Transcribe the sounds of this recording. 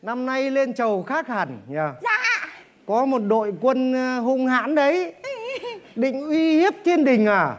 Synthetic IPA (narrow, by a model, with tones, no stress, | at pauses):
na˧mna˧jle˧nt͡ɕə˨˩wxaː˦˥k̚ha˨˩ŋ̟ɲaː˨˧˩ | kɔ˨˦mo˨˩t̚ɗo̰˧˨jkwə˧nɦu˧ŋ͡mha̰ː˧˥nɗə˨˦j | ɗḭ̈˧˨ŋ̟ʔwi˧hi˦˥əp̚t͡ɕe˧nɗï˨˩ŋ̟ʔaː˨˩